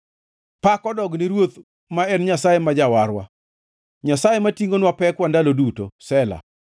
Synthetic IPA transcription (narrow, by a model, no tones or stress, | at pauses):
pakɔdɔɡniɾwot̪ | maɛnɲasajemad͡ʒawaɾwa̰ | ɲasajematiŋɡonwapɛkwandaloduto̰sɛla̰